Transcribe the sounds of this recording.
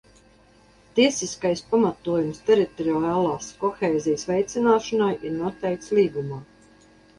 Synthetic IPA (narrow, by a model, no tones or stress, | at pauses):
t̪iɛsiskajspamat̪uɔjumst̪ɛɾit̪ɔɾiɔaːlˠaːskɔxeːzijəsvʲɛjt̪sinaːʃɔnajʔiɾnuɔt̪ɛjkt̪slˠiːɡumaː